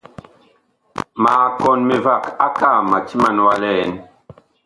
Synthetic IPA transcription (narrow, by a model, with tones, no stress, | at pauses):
ma˨kɔ˦nme˨va˦˨ka˦ka˦˨ma˨t͡ʃi˦ma˦nwa˦lɛ˦˨n